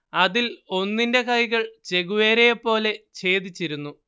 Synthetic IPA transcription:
ɐðilo̞nːinde̞kɐjɣɐɭt͡ɕe̞ɣuʋeːɾejɐpːo̞ːle̞t͡ɕe̞ːd̪it͡ɕːiɾunːu

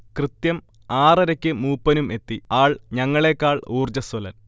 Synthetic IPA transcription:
krɨt̪jɐm | aːrɐɾɐkʲːɨmuːpːɐnume̞t̪ːiaːɭɲɐŋːɐɭeːkːaːɭuːrd͡ʑɐst̪olɐl

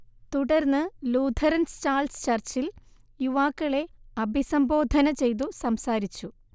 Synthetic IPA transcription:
t̪uɽɐrnːɨluːd̪ʰʱɐɾɐnst͡ɕaːlst͡ɕɐrt͡ɕil | juʋaːkːɐɭe̞ɐbʱisɐmbo̞ːd̪ʱɐnɐt͡ɕe̞jt̪̬usɐmsaːɾit͡ɕːu

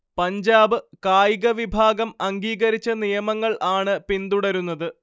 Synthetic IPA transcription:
pɐɲd͡ʑaːbɨkaːjiɣɐʋibʱaːɡɐmɐŋɡiːɣɐɾit͡ɕːɐnijɐmɐŋːɐɭʔaːɳɨpind̪uɽɐɾunːɐðɨ

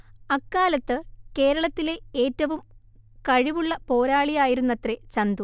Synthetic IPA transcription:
ɐkːaːlɐt̪ːɨke̞ːɾɐɭɐt̪ːile̞eːtːɐʋum | kɐɻiʋuɭːɐpo̞ːɾaːɭijaːjiɾunːɐt̪re̞t͡ɕɐnd̪u

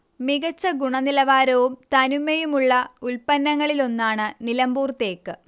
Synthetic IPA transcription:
miɣɐt͡ɕːɐɡuɳɐnilɐʋaːɾɐʋumt̪ɐnumːejumuɭːɐulpɐnːɐŋːɐɭilo̞nːaːɳɨnilɐmbuːrt̪e̞ːkːɨ

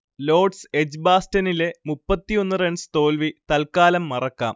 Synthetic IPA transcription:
lo̞ːɖsed͡ʑbaːstɐnilemupːɐt̪ːijo̞nːɨreɳɖsɨ̥t̪o̞ːlʋit̪ɐlkaːlɐmːɐrɐkːa̰ːm

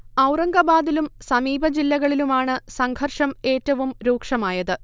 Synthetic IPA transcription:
ɐwrɐŋɡɐbaːd̪ilumsɐmiːbʱɐd͡ʑilːɐɣɐɭilumaːɳɨsɐŋɡʰʱɐrʂɐme̞ːtːɐʋumɾuːkʂɐmaːjɐðɨ

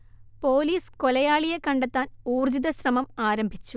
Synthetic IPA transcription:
po̞ːliːskolɐjaːɭijekɐɳɖet̪ːaːnuːrd͡ʑiðɐɕrɐmɐmaːɾɐmbʱit͡ɕːu

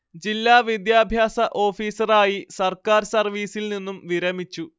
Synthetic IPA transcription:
d͡ʑilːaːʋid̪jaːbʱjaːsɐʔo̞ːfiːsɐraːjisɐrkaːɾsɐrʋiːsilninːumʋiɾɐmit͡ɕːu

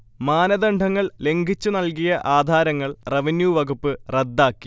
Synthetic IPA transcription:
maːnɐd̪ɐɳɖʱɐŋːɐɭle̞ŋɡʱit͡ɕːunɐlkijɐʔaːd̪ʱaːɾɐŋːɐɭreʋinjuʋɐɡupːɨred̪ːaːkːi̥

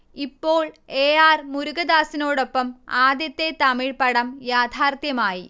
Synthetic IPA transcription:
ipːoːɭeːaːrmuɾuɡɐd̪aːsinoːɽopːɐmaːd̪jɐt̪ːet̪ɐmiɻpɐɽɐmjaːd̪ʱʰaːrt̪jɐmaːji

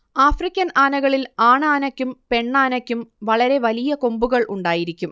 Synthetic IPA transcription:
aːfrikʲːɐnaːnɐɣɐɭilaːɳaːnɐkʲːumpe̞ɳːaːnɐkʲːumʋɐɭɐɾe̞ʋɐlijɐko̞mbuɣɐɭʔuɳɖaːjiɾikʲːum

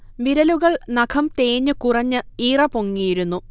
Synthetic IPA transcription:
ʋiɾɐluɣɐɭnɐkʰɐmt̪eːɲːɨkurɐɲːɨiːrɐpoŋːijiɾunːu

